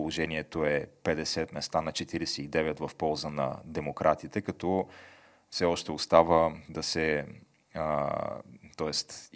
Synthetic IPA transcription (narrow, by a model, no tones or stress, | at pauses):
olˠoʒɛniɛt̪oɛpɛd̪ɛsɛt̪mɛst̪anɐt͡ʃɛt̪iɾɛsɛid̪ɛvɛt̪vɐfpɔlˠzənɐ̰d̪ɛmokɾʔat̪it̪ɛkɐt̪ɔ | fsɛɔʃt̪ɛost̪avəd̪ɐsɛ | t̪ɔɛst̪